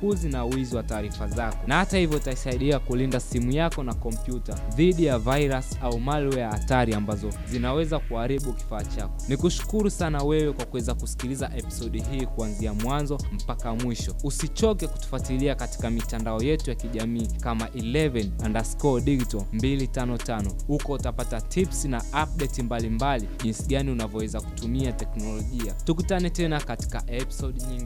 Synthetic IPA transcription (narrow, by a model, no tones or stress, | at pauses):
uzinauiziwataːɾifazakɔnahatahivjɔtaisaiɗiakulindasimujakɔnakɔmpjutaðiɗijavajɾasaumalwɛaataɾiambazɔzinawɛzakuaɾiɓuki̥faːt͡ʃakɔnikuʃu̥kuɾusanawɛwɛkwakuwɛzakusi̥kilizaʔɛpi̥sɔɗiɦiːkuanziamwanzɔm̩pakamwiʃɔusit͡ʃɔkɛku̥tu̥fwatiliakati̥kamitandaɔjɛtujakiʄamiːkamaʔilɛvɛnandaskɔɗiɡitɔmbilitanɔtanɔhukɔutapatatʰipsinaap̚ɗɛtimbalimbaliʄinsiɠaniunavɔwɛzaku̥tumiatɛknɔlɔʄiatukutanɛtɛnakati̥kaʔɛpi̥sɔɗiɲiŋɡi